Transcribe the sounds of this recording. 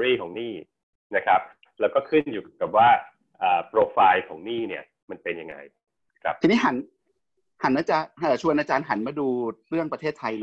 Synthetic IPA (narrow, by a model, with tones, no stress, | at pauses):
ɾiː˥˩kʰɔː˩˦ŋniː˥˩ | na˦˥kʰɾa˦˥p̚ | lɛː˦˥wkɔː˥˩kʰɯ˥˩njuː˨˩ka˨˩p̚waː˥˩ | ʔaː˨˩pɾoː˧faː˧jkʰɔː˩˦ŋniː˥˩ni˥˩ɐ | ma˧npe˧nja˧ŋa̰˧j | kʰɾa˦˥p̚tʰiː˧niː˦˥ɦa˩˦n | ha˩˦nʔaː˧t͡ɕa˧˩həː˨˩t͡ɕʰu˧ənʔaː˧t͡ɕaː˧nɦa˩˦nmaː˧˩duː˧ɾɯ˥˩əŋpɾa˧t̪ʰeː˥˩t̪ʰa˧j